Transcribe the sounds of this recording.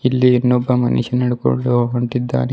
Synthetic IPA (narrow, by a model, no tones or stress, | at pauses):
ilːiinːɔbːɐmɐ̰nḭʂɐnɐɽuko̰ɳɖuɐɳʈid̪ːa̰ːne